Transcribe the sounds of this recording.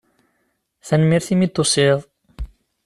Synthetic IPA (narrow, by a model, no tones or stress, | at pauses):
θænmiɾθimit̪ːosiðˤ